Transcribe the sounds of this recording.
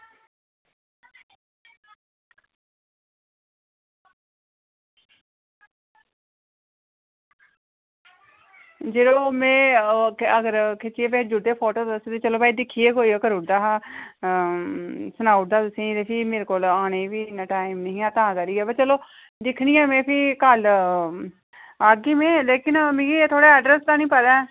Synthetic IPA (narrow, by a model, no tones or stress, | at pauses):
d͡ʒeːɾoːmɛ̃ː | əɡəɾkʰet͡ʃieːpeːd͡ʒʊɖeːpʰɔːʈoːt̪set̪eːt͡ʃəloːbaːiːd̪ɪkʰːiːeːkoːiːəkəɾʊd̪aːɦa | sənaːʊʈ̚d̪aːt̪ʊsẽːĩd̪epiːmeːɾeːkoːlaːñeːʋiːnəʈaːimnəɦĩːãːt̪ãːkəɾiːɛːbət͡ʃəloː | d̪ɪkʰnĩːɛːmẽːpʰiːkal | aːɡiːmẽːleːkɪnmĩɡiːt̪ʰoːɽaːɛːɖɾəst̪aːnĩːpəd̪aː